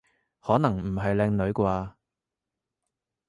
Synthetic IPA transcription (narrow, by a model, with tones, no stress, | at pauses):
hɔː˨˥nɐ˨˩ŋm̩˨˩ɦɐ˨jlɛː˧ŋnɵ˨˧˥ɥkʷaː˧